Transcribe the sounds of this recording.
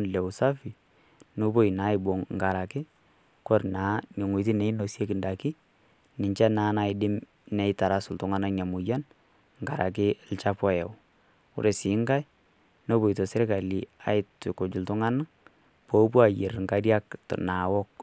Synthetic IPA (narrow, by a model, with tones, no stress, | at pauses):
nlɛ˨ʊ˨sa˦fi˨ | no˦bo˦i˨na˨˦ɪ˨bo˨ŋŋɡa˨ɾa˨kɪ˦ | kɔ˦rna˨˦ɲo˨ŋu˨tɪ˦nɛ˨˦i˦no˨sje˦kɪ˨nda˨kɪ˦ | nɪ˨ɲt͡ʃa˦naː˨na˨ɪ˨dɪ˦m | nɛ˨ɪ˦ta˨ɾa˦sʊ˨ltʊ˨ŋa˦na˦ɲa˨mʊ˨ja˦n | ŋɡa˨ɾa̰˨k̬ɪ˦lt͡ʃa˦pɔ˦jɛ˨ | ʊ̰˦ɾe˨sɪ˨˦ŋɡa˦j | no˦bo˨i˨to˨sɛ˦ɾɪ˦ka˨li˨a̰˨˦ɪ˦tko˨d͡ʒʊ˨ltʊ˦ŋa˦na˦ | po˦p̬u˦a˨je˨rŋɡa˨ɾja˦ktna˨wɔ˦k̚